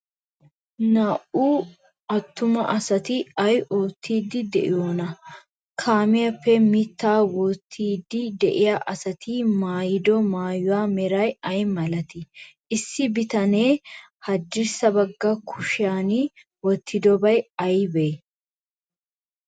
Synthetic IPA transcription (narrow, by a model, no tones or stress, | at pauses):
naːʔuː | ɐt̪ːʊmɐ̰ʔɐsɐt̪ɪɐjʔoːt̪ʰːiːd̪ːɪd̪ɛ̰ʔɪ̰joːnɐ | kʰaːmɪjɐpːɛmɪt̪ːaːwɔːt̪ʰːiːd̪ːɪd̪ɛʔɪjaʔɐsɐt̪ɪmaːjɪd̪ɔmaːjʊwaːmɛɾɐjɐjmɐlɐt̪ɪʔɪsːɪbɪt̪ɐneː | hɐd̪ːɪɾsɐbɐɡːɐkʰʊʃɪjaːnɪ | wɔt̪ʰːɪd̪ɔbɐjɐjbeː